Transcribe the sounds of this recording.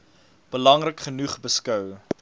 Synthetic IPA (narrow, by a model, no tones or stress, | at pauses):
b̥əlɐŋrəkχənuχbəskœw